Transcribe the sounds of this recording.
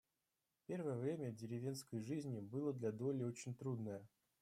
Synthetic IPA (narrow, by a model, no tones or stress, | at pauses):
pʲe̞rvəjəvɾʲemʲədʲɪɾʲɪvʲe̞nskəjʐɨzʲnʲɪbɨlˠəd̪lʲɐd̪o̞lʲɪot͡ɕɪnʲt̪ɾud̪nəjə